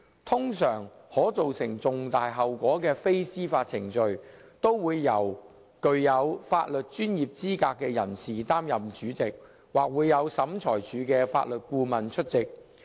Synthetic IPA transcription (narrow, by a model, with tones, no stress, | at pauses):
t̪ʰʊ˥ŋsœː˨˩ŋhɔː˨˥t͡so˨wsɪ˨˩ŋt͡sʊ˨ŋt̪aː˨jɦɐ˨wkʷɔː˨˥kɛː˧fe˥jsiː˥faː˧t̚t͡sʰɪ˨˩ŋt͡ʃɵ˨ɥt̪o˥wwuː˨˧jːɐ˨˩w | kɵ˨˧ɥjɐ˨˧wfaː˧t̚lɵ˨t̚t͡ʃyː˥njiː˨p̚t͡siː˥kaː˧kːɛː˧jɐ˨˩nsiː˨t̪aː˥mjɐ˨mt͡ʃyː˨˥t͡sɪ˨k̚ | waː˨k̚wuː˨˧jːɐ˨˧wsɐ˨˥mt͡ʃʰɔː˨˩jt͡ʃʰyː˨˥kɛː˧fa̰ː˧t̚lɵ˨t̚kuː˧mɐ˨nt͡ʃʰɵ˥t̚t͡sɪ˨k̚